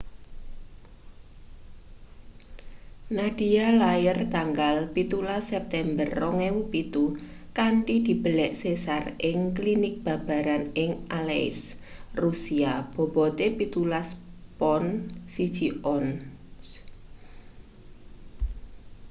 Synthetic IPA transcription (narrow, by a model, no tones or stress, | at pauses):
naɖ̥i̤alajərt̪aŋɡalpit̪ulasɛp̚t̪ɛmbərːɔŋewupit̪u | kaɳʈid̪̥i̤b̥əlɛʔsesarʔɪŋklinɪk̚b̥a̤b̥a̤ɾanɪŋʔaleɪ̰s | rusiab̥ɔ̤b̥ɔt̪epit̪ulaspɔnsid̥ʒ̥iɔn